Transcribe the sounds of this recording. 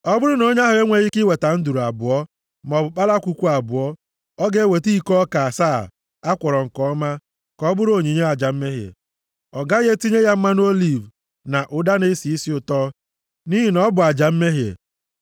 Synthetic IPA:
ɔ˦bʊ˦ɾʊ˦no˦ɲ˦a˦ɦʊ˨ɣe˦ŋʷe˨ɣi˦kɪ˦we˨ta˨n̩˦du˨ɾu˨a˨bʊ˨ɔ˦ | m˨ɔ˨bʊ˨k͡pa˦la˦kʷu˦kʷu˦a˨bʊ˨ɔ˦ | ɔ˦ɡe˦˨we˨ti˦i˦kɔ˦ka˨saː˦˨ | a˦kʷɔ˨ɾɔ˨ŋ̩˨kɔ˦ma˦ | kɔ˦bʊ˦ɾo˨ɲi˨ɲe˦a˨d͡ʒa˨m̩˦me˦ɦjḛ˨ | ɔ˨ɡa˦ɣe˦ti˦ɲe˦ja˦m̩˦ma˦n˦o˦li˨v | na˨ʔʊ˨da˦ne˦si˨i˦si˦ʊ˨tɔ˦ | ni˦ɦi˨nɔ˦bʊ˨a˨d͡ʒa˨m̩˦me˦ɦjḛ˨

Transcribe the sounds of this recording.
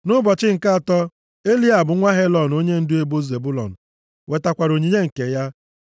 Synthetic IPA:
nʊ˦bɔ˨t͡ʃɪ˦ŋ̩˨ka˦a˨tɔ˦ | e˦li˦a˨bʊ˨ŋʷa˦ɦe˦lɔ˨n˨o˦ɲe˦n̩˦dʊ˦e˦bo˦ze˨bu˦lɔ̰˨n̩˨ | we˨ta˨kʷa˨ɾo˨ɲi˨ɲe˦ŋ̩˨ke˨ja˦

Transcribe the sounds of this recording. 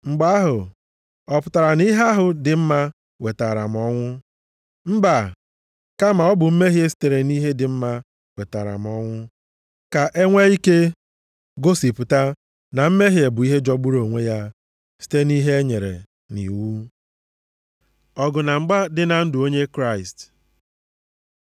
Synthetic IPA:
ŋ͡m̩˨ɡ͡ba˦a˦ɦʊ˨ | ɔ˨pʊ˨ta˨ɾa˨ni˦ɦe˦a˦ɦʊ˨dɪ˨m̩˦ma˦ | we˨ta˨ɾa̰˨m̩˨ɔ˦ŋʷʊ˦ | m̩˦ba˨ | ka˦ma˨ɔ˦bʊ˨m̩˦me˦ɦje˦si̥˦te˨ɾe˨ni˦ɦe˦dɪ˨m̩˦ma˦ | we˨ta̰˨ɾa̰˨m̩˨ɔ˦ŋʷʊ˦ | ka˨ʔe˦ŋʷe˦i˦ke˦ | ɡo˦si˨pʊ˨ta˦ | na˨m̩˦me˦ɦje˨bʊ˨i˦ɦe˦d͡ʒɔ˦ɡ͡bu˦ɾo˨ŋʷe˦ja˦ | si̥˦te˦ni˦ɦe˦e˦ɲe˨ɾḛ˨ | nḭ˨wu˦ | ɔ˨ɡʊ˨na˨ŋ͡m̩˦ɡ͡ba˦dɪ˦na˨n̩˦dʊ˨o˦ɲe˦kɾa˦˨ɪ˨st

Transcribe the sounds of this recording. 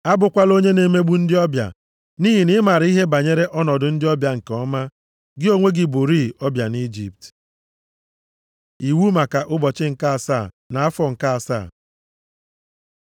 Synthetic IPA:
a˦bʊ˨kʷa˦lo˦ɲe˦ne˨me˦ɡ͡bu˦n̩˦dɪ˦ɔ˦bja̰˨ | niː˦ɦi˨nɪ˦ma˨ɾi˦ɦe˦ba˨ɲe˦ɾe˦ʔɔ˦nɔ˨dʊ˨n̩˦dɪ˦ɔ˦bja˨ŋ̩˨kɔ˦ma˦ | ɡɪ˦o˦ŋʷe˦ɡɪ˦bʊ˨ɾi˦ɔ˦bja˨ni˦d͡ʒi˦˨p̚t | i˨wu˦ma˨ka˨ʔʊ˦bɔ˨t͡ʃɪ˦ŋ̩˨ka˦a˨sa˦˨ | na˨a˦fɔ˨ŋ̩˨ka˦a˨sa̰ː˦˨

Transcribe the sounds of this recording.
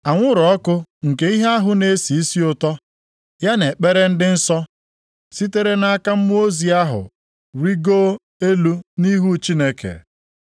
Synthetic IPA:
a˨ŋʷʊ˦ɾɔ˨ɔ˦kʊ˦ŋ̩˨ke˨˦i˦ɦe˦a˦ɦʊ˦ne˦si˨˦si˦ʊ˨tɔ˦ | ja˦ne˨k͡pe˦ɾe˦n̩˦dɪ˦n̩˦sɔ˦ | si˦te˦ɾe˦na˦a˦ka˦m̩˦m˦o˦zi˨a˦ɦʊ̰˨ | ɾi˦ɡoː˦ | e˦lu˦ni˦ɦu˦t͡ʃi˦ne˦kḛ˨

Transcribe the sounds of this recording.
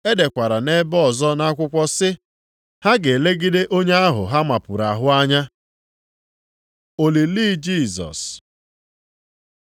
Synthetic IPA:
e˦de˨kʷa˨ɾa˨ne˦bɔ˦˨zɔ˦na˦kʷʊ˦kʷɔ˦sɪ˦ | ha˦ɡe˨le˦ɡi˦de˦ʔo˦ɲe˦a˦ɦʊ̰˨ɦa˦ma˨pʊ˨ɾa˨ɦʊ˦a˦ɲa˦ | o˨li˨li˦d͡ʒi˦˨zɔ̰˨s

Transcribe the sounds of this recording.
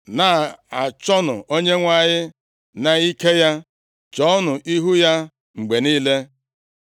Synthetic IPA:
na˨a˨t͡ʃɔ˦nʊ˨o˦ɲe˦ŋʷa˨ɲɪ˦ | na˨i˦ke˦ja˦ | t͡ʃɔ˦nʊ˨ʔi˦ɦu˦ja˦ | ŋ͡m̩˨ɡ͡be˨niː˦le˦

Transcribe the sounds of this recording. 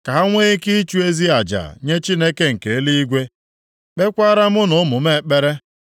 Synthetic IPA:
ka˨ɦa˦ŋʷe˦ɣe˦ki˦t͡ʃu˦e˦zi˦a˨d͡ʒa̰˨ɲe˦t͡ʃi˦ne˦ke˦ŋ̩˨ke˨e˦li˦i˦ɡʷe˦ | k͡pe˦kʷa˦ɾa˦mʊ˦nʊ˨˦mʊ˨me˦˨k͡pe˦ɾe˦

